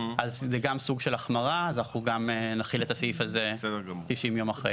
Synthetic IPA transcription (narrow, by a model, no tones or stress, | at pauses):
azzɛɡamsuɡʃelaχmaʁaznaχuɡamenaχilet̪asifazesdt̪iʃimjo̞maχʁḛj